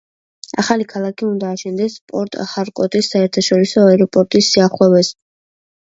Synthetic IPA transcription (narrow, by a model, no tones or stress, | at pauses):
a̰χalikʰalˠakʰiund̪aːʃɛnd̪ɛspʼɔɾt̪ʼa̰χaɾkʼɔt̪ʼisːaɛɾt̪ʰaʃɔɾisɔaɛɾɔpʼɔɾt̪ʼisːiaχwɛvɛs